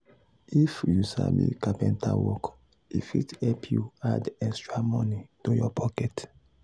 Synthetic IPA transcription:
ifjusabḭkapɛ̃ntʰawɔk | ifithɛpʰjuadɛ̃stɹamɔ̃nitojɔpʰɔkɛt

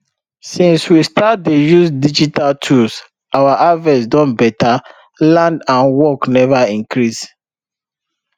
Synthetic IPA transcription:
sĩnswistat̚dejuzdid͡ʒitaltʰus | awaʔavɛsdɔ̃nbɛtʰa | lãndãnwɔknɛvaĩŋkɹis

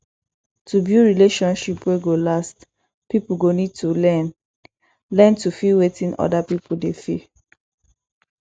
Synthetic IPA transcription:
tubjuɹileʃɔ̃nʃipweɡolast | pipuɡonid̚tulɛn | lɛ̃ntufiwetĩnʔɔ̰dapipuldefi

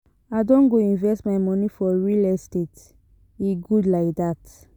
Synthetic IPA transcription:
adɔ̃nɡoĩnvɛstmaɪmɔnifɔɹilɛstet | iɡudlaɪk̚dat

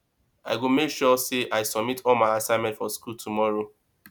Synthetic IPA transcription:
a̰ɪɡomekʃɔseʔaɪsɔbmitʰɔlmaɪasãɪ̃mɛ̃ntfɔskultʰumɔɹo

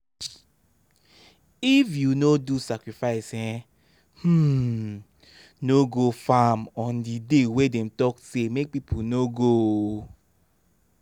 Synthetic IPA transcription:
ifjunodusakɾifaɪsɛ | h̩ | noɡofamɔ̃ndidewedɛ̃m̩tɔksemek̚pipʰunoɡo

